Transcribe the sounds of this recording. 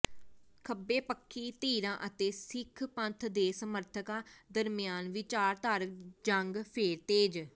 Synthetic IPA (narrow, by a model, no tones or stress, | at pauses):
kʰəbːeːpəkʰːiːt̪iːɾãːʔət̪eːsɪkʰpə̃nt̪ʰd̪eːsəməɾt̪ʰəkãːd̪əɾmɪjaːnʋɪt͡ʃaːɾt̪aːɾəkd͡ʒəŋɡpʰeːɾt̪eːd͡ʒ